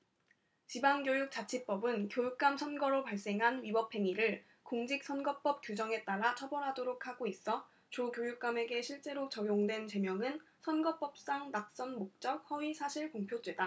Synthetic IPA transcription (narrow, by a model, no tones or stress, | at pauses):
t͡ɕibaŋɡjojuk̚t͡ɕ͈at͡ɕʰip͈ʌbɯnkjojuk̚k͈amsʰʌnɡʌɾopaɭs͈e̞ŋɦanɥibʌpʰe̞ŋiɾɯɭ | koŋd͡ʑik̚s͈ʰʌnɡʌp͈ʌp̚k͈jud͡ʑʌŋe̞t͈aɾat͡ɕʰʌbʌɾɦadoɾokʰhaɡois͈ʌ | t͡ɕokjojuk̚k͈ame̞ɡe̞ɕʰiɭt͡ɕ͈e̞ɾot͡ɕʌjoŋdwe̞nt͡ɕe̞mjʌŋɯn | sʰʌnɡʌp͈ʌp̚s͈aŋnak̚s͈ʌnmok̚t͡ɕ͈ʌk̚hʌɥisʰaɕʰiɭkoŋpʰjod͈we̞da